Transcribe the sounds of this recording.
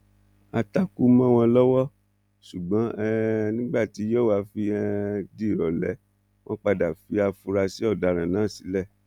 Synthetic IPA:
a˧ta˧ku˦mã˦w̃ɔ̃˧lɔ˦wɔ˦ | ʃu˨ɡ͡bã˨˦ɛ˦nĩ˦ɡ͡ba˦˨ti˨˦jo˦˨wa˧fi˧ɛ˧di˦˨ɾɔ˨lɛ˨˦ | w̃ɔ̃˦k͡pa˧da˨fi˧˦a˧fu˧ɾa˧si˨˦ɔ˦˨da˨ɾ̃ã˨nãː˨˦˨si˨˦lɛ˦˨

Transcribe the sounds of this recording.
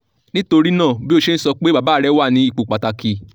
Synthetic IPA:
nĩ˦to˧ɾi˦nãː˦˨bi˦o˧ʃe˦n̩˦sɔ˧k͡pe˦ba˨˦˨baː˨˦˨ɾɛ˦wa˦˨nĩ˧i˦˨k͡po˨k͡pa˨ta˧ki˨

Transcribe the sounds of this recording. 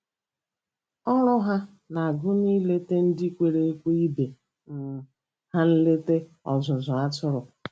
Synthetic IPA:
ɔ˦ɾʊ˦ɦa˦ | na˨a˨ɡʊ˦ni˦le˦te˦n̩˦di˦kʷe˨ɾe˦e˦kʷe˦i˦be˨ | m̩˨ | ha˦n̩˦le˦te˦ | ɔ̰˨zʊ˨zʊ˨a˦tʊ˦ɾʊ˨

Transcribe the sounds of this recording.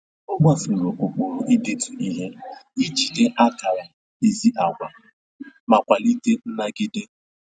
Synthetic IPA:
ʊ˦ɡ͡ba˦fu˨ɾo˨ʔo˨k͡po˨ɾʊ˦ʔi˦de˦tu˨i˦ɦe˦i˦t͡ʃi˨de˦ʔa˦ka˨ɾa˨ | e˨zi˦ʔa˨ɡʷa˨ | ma˨kʷa˨li˦te˦n̩˦na˦ɡɪ˦dɪ˦

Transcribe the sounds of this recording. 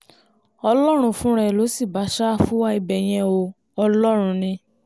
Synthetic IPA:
ɔ˧lɔ˦ɾ̃ũ˧fũ˦ɾɛ˧˨lo˨˦si˦˨ba˨˦ʃa˦˨fu˦wa˦i˧bɛ˨j̃ɛ̃˧o˧ | ɔ˧lɔ˦ɾ̃ũ˧nĩ˧

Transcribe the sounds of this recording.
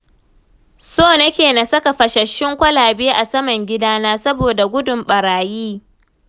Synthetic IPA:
soː˦˨nɐ˦kʲeː˨na˨sɐ˦ka˨ɸɐ˨ʃɐ˨ʃːɪ˦ŋkʷɐ˦laː˨beː˦ʔa˨sɐ˦mɐ˨ŋɡʲɪ˦daː˦naː˦sɐ˦boː˨da˨ɡʷʊ˦dʊ˨mɓɐ˨ɾaː˨jiː˦

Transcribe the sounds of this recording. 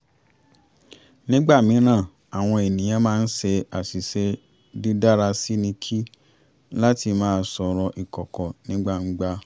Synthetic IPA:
nĩ˦ɡ͡ba˦˨mĩ˨˦ɾ̃ã˦˨ | a˨w̃ɔ̃˧e˨nĩ˨j̃ã˨˦mãː˦n̩˦se˧a˨si˨se˦ | di˦da˦ɾa˧si˦nĩ˧kʰi˦ | la˦ti˧mãː˦˧˦sɔ˧ɾɔ˧ʔi˨kɔ˨kɔ˨nĩ˦ɡ͡ba˦˨n̩˦ɡ͡ba˦

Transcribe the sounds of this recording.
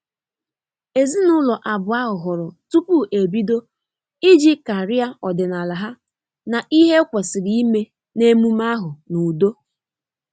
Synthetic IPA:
e˨zi˦nʊ˦lɔ˨ʔa˨bʊ˨a˦ɦʊ˨ɦʊ˨ɾɔ˨tu˦pu˦ʔe˨bi˦do˦ | ɪ˦d͡ʒi˦ka˨ɾɪ˦a˦ɔ˨dɪ˨na˨la˨ɦa˦ | na˨ʔi˦ɦe˦kʷe˨sɪ˨ɾi˦i˦me˦ | ne˦mu˦ma˦ɦʊ˨nu˨do˦

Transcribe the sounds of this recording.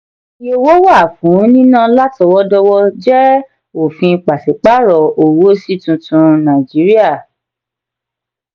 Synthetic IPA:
i˦o˧wo˦wa˦˨fũ˨˦nĩ˦nã˦la˦tɔ˧wɔ˦dɔ˧wɔ˦d͡ʒɛ˦ | o˨fĩ˧k͡pa˨se˨k͡pa˦ɾɔ˨o˨wo˦si˦tũ˧tũ˧nã˨d͡ʒi˨˦ɾi˦a˦˨

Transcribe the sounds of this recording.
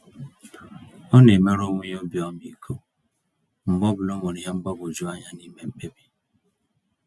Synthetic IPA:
o˦ne˨me˦ɾo˦wʷu˦ɲ˦o˦bi˨ɔ˦mi˨kʰo˦ | m̩˨bɔ˦bu˨lo˦mo˨ɾi˨ɦe˦m̩˦bɔ˦bo˨d͡ʒu˦a˦ɲa˨ni˦me˨m̩˦k͡pe˦bi˦

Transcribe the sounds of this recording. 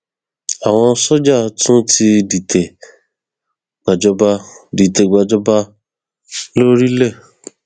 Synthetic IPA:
a˨w̃ɔ̃˧sɔ˦d͡ʒa˦˨tũ˦ti˧di˨tʰe˨ | ɡ͡ba˨d͡ʒɔ˦ba˦di˨te˨ɡ͡ba˨d͡ʒɔ˦ba˦ | lo˦ɾi˦lɛ˦˨

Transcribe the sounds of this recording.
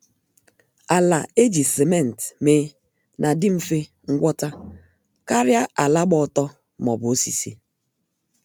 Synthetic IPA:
a˨la˨e˦d͡ʒi˨se˨me˦˨n̩˨tmeː˨˦ | nʔa˨dɪ˦m̩˨fe˦ | ŋ̩˦ɡʷɔ˦ta˦ | ka˦ɾja˦ʔa˨la˦ɡ͡bɔ˦˨tɔ˦ | mɔ˨bʊ˨o˦si˨sḭ˦

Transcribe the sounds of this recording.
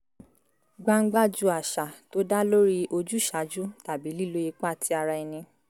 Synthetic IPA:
ɡ͡ba˦ŋ̩˦ɡ͡ba˦˨d͡ʒu˦a˨ʃa˨to˨˦da˦lo˦ɾi˦ʔo˧d͡ʒu˦˨ʃa˨˦d͡ʒu˦ta˨bi˨˦li˦˨lo˦i˧k͡pa˦˨tʰi˨˦a˧ɾa˧i˧nĩ˧

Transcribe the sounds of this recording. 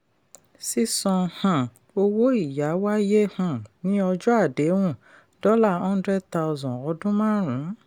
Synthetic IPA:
si˦sɔ̃˧hã˨ | o˧wo˦i˦˨ja˨˦wa˦je˦hã˨nĩ˨˦ɔ˧d͡ʒɔ˦a˦˨de˨˦wũ˦˨ | d̥ɔ˦la˦˨ɔ̃˦dɾɛ˦ta˧ɔ˧zɔ̃˨ɔ˧dũ˦mã˦˨ɾ̃ũ˨˦

